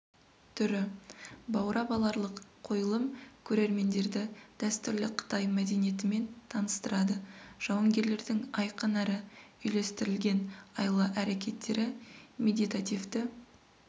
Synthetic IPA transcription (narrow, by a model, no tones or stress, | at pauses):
t̪ʰʏɾɪbɑwɾʔɑbɑlˠɑɾlˠəqqʰo̞jəlˠəmkʲʰɵɾe̞ɾme̞nd̪e̞ɾd̪ɪd̪̥æst̪ʏɾlɪqʰə̥t̪ɑjmæd̪e̞nije̞t̪ɪme̞nt̪ʰɑnəst̪əɾɑd̪əʒ̥ɑwɑŋɡʲe̞ɾle̞ɾd̪ɪŋɑjqənæɾɪʏjle̞st̪ɪɾɪlɡʲe̞nɑjlˠəʔæɾe̞kʲe̞t̪ːe̞ɾɪmʲe̞d̪ijt̪at̪ʲivt̪ɪ